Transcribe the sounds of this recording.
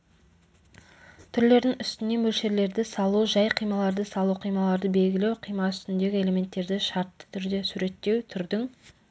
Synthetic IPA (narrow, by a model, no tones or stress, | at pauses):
t̪ʰʏɾle̞ɾd̪ɪŋʏst̪ɪne̞mɵlʃe̞ɾle̞ɾd̪ɪsɑlˠuʒɑjqʰijmɑlˠɑɾd̪əsɑlˠuqʰijmɑlˠɑɾd̪əbe̞lɡʲɪle̞wqʰijmɑʏst̪ɪnd̪e̞ɡʲɪe̞le̞me̞nt̪ːe̞ɾd̪ɪʃɑɾt̪ːə̥t̪ʰʏɾd̪e̞suɾe̞t̪ːe̞wt̪ʰʏɾd̪ɪŋ